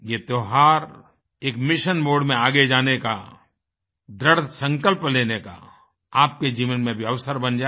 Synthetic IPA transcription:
jet̪oːɦaːɾ | eːkmɪʃənmoːɖmẽaːɡed͡ʒaːneka̰ | d̪ɾəɽsə̃ŋkəlpleːneka̰ | aːp̚ked͡ʒiːʋənmẽbʱiɐʋsəɾbɐ̃nd͡ʒaː

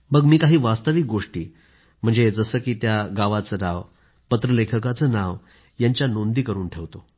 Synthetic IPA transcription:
məɡmiːkaɦiːʋast̪əʋik̚ɡoʂʈiː | m̤əɳd͡zed͡zəsəːkiːt̪jaɡaʋat͡səɾaʋ | pət̪ɾəlekʰəkat͡səːnaʋ | jaɲt͡ɕjanond̪iːkəɾuːnʈʰeʋt̪o

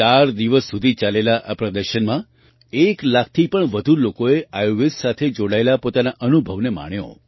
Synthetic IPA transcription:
aɾd̪iʋəsːud̪ʱit͡ʃalelaʔapɾəd̪əɾʃənmã | eklak̚ʰt̪ʰipəɳʋəd̪ʱulokoeʔajoʋesːat̪ʰed͡ʒoɽaelapot̪anaʔənubʱəʋnema̰ɳ̃jo̰

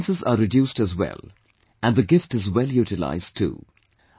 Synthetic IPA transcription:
nsəzə̰ɾɪdjuːstəzwɛ̰l | ʔæ̃nðəɡɪfʈɨzwɛljuːtɪla̰ɪztʰːṵː

